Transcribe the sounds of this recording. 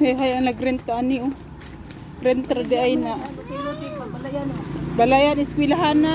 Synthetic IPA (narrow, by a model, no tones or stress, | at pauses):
heɦajanaɡɾɛnt̪aaniʔʊ | ɾɛnt̪ɾad̪iʔajna | balajanɪskwilaɦana